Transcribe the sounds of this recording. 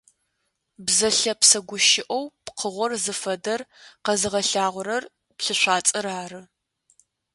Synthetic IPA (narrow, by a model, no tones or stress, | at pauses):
bzɐɬɐpsɐɡʷʊʃɪʔowpqʰəʁʷɔrzɨfɐdɐrqɐzɨʁɐɬaːʁʷʊɾɐr | pɬɨɕʷaːt͡sʼɐɾaːrɨ